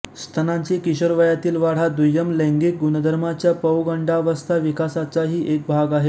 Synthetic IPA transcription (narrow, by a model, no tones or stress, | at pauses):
st̪ʰənaɲt͡ɕiːkiɕəɾʋəjat̪iːlʋaɽ̤ad̪ujəmlɛ̃ŋɡik̚ɡunəd̪ʱəɾmat͡ɕjapəwɡəɳɖaʋəst̪ʰaʋikasat͡saɦiːʔek̚bʱaɡaɦe